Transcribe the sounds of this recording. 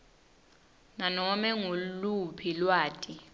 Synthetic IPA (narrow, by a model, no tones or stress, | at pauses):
nanɔmɛŋulupʰilwaːtʼi